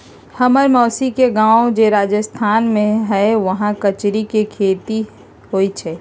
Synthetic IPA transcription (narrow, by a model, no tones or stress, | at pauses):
hɐməɾmɔːsikeɡãːod͡ʒeɾaːd͡ʒəst̪ʰaːnmẽɦɛʋɐɦãkɐt͡ʃɾikekʰeːt̪i | ɦoːit͡ʃʰɛː